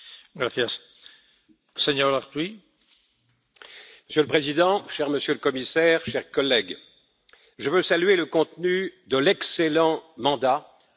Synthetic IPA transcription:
ɡɾaθjas | seɲɔɾaʁt̪wi | məsjøləpχezid̪ɑ̃ʃɛʁməsjøləkɔmisɛʁʃɛʁkɔlːɛɡ | ʒəvøsalɥeləkɔ̃t̪nyd̪əlɛkselɑ̃mɑ̃d̪a

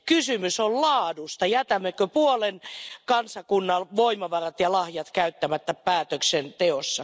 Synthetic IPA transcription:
kysymysollɑːdust̪ɑjæt̪æmːekøpuolenkɑnsɑkunːɑlʋoimɑʋɑrɑt̪jɑlɑhjɑt̪kæyt̪ːæmæt̪ːæpæːt̪øksent̪eosːɑ

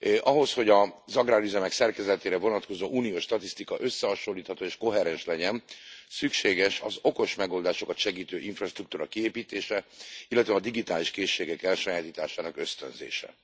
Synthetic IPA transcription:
ʔɒɦo̞sho̞ɟɒzɒɡraːɾyzɛmɛksɛrkɛzɛt̪eːɾɛvo̞nɒt̪ko̞zoːʔuːnijoːʃt̪ɒt̪ist̪ikɒʔø̞sːɛɦɒʃo̞lːiːt̪hɒt̪oːeːʃko̞ɦɛɾɛnʃlɛɟɛnsykʃeːɡɛʃɒzo̞ko̞ʃmɛɡo̞ld̪aːʃo̞kɒt̪ʃɛɡiːt̪øːʔiɱfrɒʃt̪ruk̚t̪uːɾɒkieːpiːt̪eːʃɛilːɛt̪ʋɛɒd̪iɡit̪aːliʃkeːʃːeːɡɛkɛlʃɒjaːt̪iːt̪aːʃaːnɒkø̞st̪ø̰nzḛːʃɛ̰

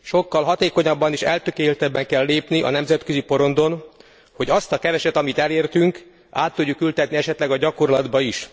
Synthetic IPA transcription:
ʃo̞kːɒlɦɒt̪eːko̞ɲɒbːɒniʃɛ̰lt̪økeːlt̪ɛbːɛŋkɛlːeːpniʔɒ̰nɛmzɛt̪køzipo̞ɾo̞nd̪o̞n | ho̞ɟɒst̪ɒkɛvɛʃɛt̪ɒmit̪ɛleːrt̪yŋk | aːt̪ːuɟːukylt̪ɛt̪niɛʃɛt̪lɛɡɒɟɒko̞rlɒd̪bɒiʃ

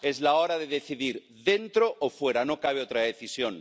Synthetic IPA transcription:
e̞zlaoɾaðe̞ðe̞θiðiɾ | ðe̞nt̪ɾoʔːfwe̞ɾano̞kaβ̞eot̪ɾaðeθisjon

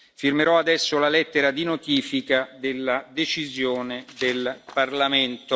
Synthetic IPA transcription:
firmeɾɔad̪ɛsːolalɛt̪ːeɾad̪inot̪iːfikad̪elːad̪et͡ʃizjoːned̪elparlament̪o

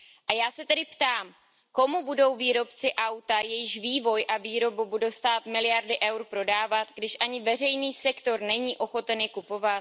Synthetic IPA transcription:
ʔajaːsɛt̪ɛdɪpt̪aːm | ko̞mubudo̞wviːɾo̞pt͡sɪʔawt̪ajɛjɪʃviːvo̞jʔaviːɾo̞bubudowst̪aːt̪mɪlɪjaɾdɪʔɛwɾpɾo̞daːvat̪ɡdɪʃʔaɲɪvɛr̝ɛjniːsɛkt̪o̞ɾnɛɲiːʔo̞xo̞t̪ɛnɪkupo̞vat̪

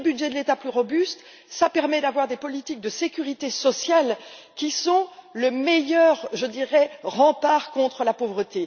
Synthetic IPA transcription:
əbydʒɛd̪əlet̪aplyʁɔbyst̪ | sapɛʁmɛd̪avwaʁd̪epɔlit̪ik̚d̪əsekʲyʁit̪esɔsjal | kʲisɔ̃ləmɛjœʁʒəd̪iʁɛʁɑ̃paʁkɔ̃t̪χəlapovʁət̪e

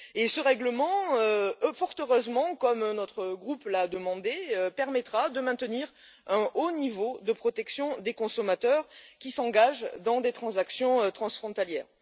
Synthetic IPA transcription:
esəʁɛɡləmɑ̃øøfɔʁt̪øʁøzmɑ̃kɔmnɔt̪χəɡʁuplad̪əmɑ̃d̪eøpɛʁmɛt̪χad̪əmɛ̃t̪əniʁ | ɛ̃onivod̪əpχɔt̪ɛksjɔ̃d̪ekɔ̃sɔmat̪œʁkʲisɑ̃ɡaʒd̪ɑ̃d̪et̪χɑ̃zaksjɔ̃øt̪χɑ̃sfχɔ̃t̪aljɛ̰ːʁ

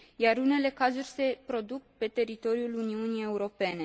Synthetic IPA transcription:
jaɾune̞le̞kazurʲse̞pɾo̞d̪uk̚pe̞t̪e̞ɾit̪o̞ɾiuluniunije̞uɾo̞pe̞ne̞

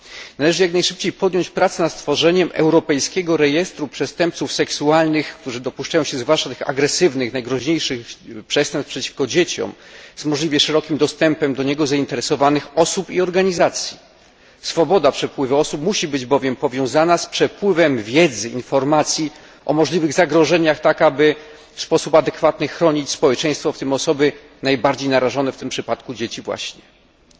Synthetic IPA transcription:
nalɛʐɘjaknajʂɘp̚t͡ɕejpɔd̪jɔɲt͡ɕpɾat̪sɛnat̪st̪fɔʐɛɲɛmʔɛ̰wɾɔpɛjskʲɛɡɔɾɛjɛst̪ɾupʂɛst̪ɛmp̚t̪sufsɛksualnɘxkt̪uʐɘd̪ɔpuʂt͡ʂajɔ̃w̃ɕɛzvwaʂt͡ʂat̪ɘxa̰ɡɾɛsɘvnɘxnajɡɾɔʑɲejʂɘxpʂɛst̪ɛmpfpʂɛt͡ɕi̥fkɔd͡ʑet͡ɕɔ̰mzmɔʐlʲivʲjɛʂɛɾɔkʲimd̪ɔst̪ɛmpɛmd̪ɔɲɛɡɔzaint̪ɛɾɛsɔvanɘxɔsupiɔɾɡaɲizat̪sʲji | sfɔbɔd̪apʂɛpwɘvɘɔsupmuɕibɘd͡ʑbɔvʲjɛmpɔvʲjɔ̃w̃zanaspʂɛpwɘvɛmvʲjɛd̪zɘinfɔɾmat̪sʲji | ʔɔ̰mɔʐlʲivɘɣzaɡɾɔʐɛɲaxt̪akabɘ | fspɔsupad̪ɛkfat̪nɘxɾɔɲit͡ɕspɔwɛt͡ʂɛ̃j̃st̪fɔft̪ɘmɔsɔbɘ | najbaɾd͡ʑejnaɾaʐɔnɛft̪ɘmpʂɘpat̪kud͡ʑet͡ɕivwa̰ɕɲɛ

